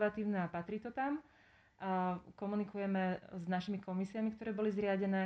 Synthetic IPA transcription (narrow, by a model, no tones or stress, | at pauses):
ʋat̪iːʊnɛapat̪ɾit̪ɔt̪am | kɔmunikujɛmɛznaʃimikɔmisiamikt̪ɔɾɛːbɔlizɾɪaɟɛnɛː